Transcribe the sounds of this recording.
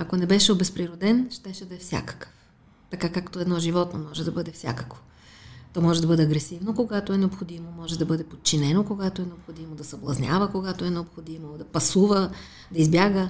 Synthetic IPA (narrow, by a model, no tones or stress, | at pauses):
ɐkonɛbɛʃɛobɛspɾiɾod̪ɛnʃt̪ɛʃɛd̪ɐɛfsʲja̰kə̥kə̥f | t̪ɐkakakt̪oɛd̪nɔʒivɔt̪no̰mɔʒɛd̪ɐbɤd̪ɛfsʲa̰kə̥kvo̥ | t̪ɔmɔʒɛd̪ɐbɤd̪ɛɐɡɾɛsivnokoɡat̪oɛnɛopxod̪imomɔʒɛd̪ɐbɤd̪ɛpot̪̚t͡ʃinɛnokoɡat̪oɛnɛopxod̪imod̪ɐsɐblˠɐ̰znʲja̰vəkoɡat̪oɛnɛopxod̪imod̪ɐpɐsuvə | d̪ɐizbjaɡə